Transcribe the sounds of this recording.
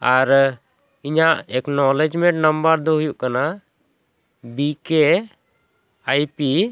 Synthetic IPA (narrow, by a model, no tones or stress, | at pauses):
aɾ | iɲaʔɛknɔlɛd͡ʒmɛ̃ɳʈnəmbəɾd̪ɔɦujuʔkana | bike | ajpi